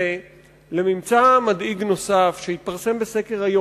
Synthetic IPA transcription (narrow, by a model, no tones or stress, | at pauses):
e | le̞mimt͡samad̪iɡno̞safʃehit̪̚paʁse̞mbeseke̞ʁajo